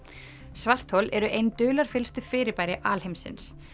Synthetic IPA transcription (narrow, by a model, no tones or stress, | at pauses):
svar̥t̪howlɛɾʏʔejnt̪ʏːlaɾ̥fɪlst̪ʏfɪːɾɪɾpajɾɪʔaːlhejmsɪ̰ns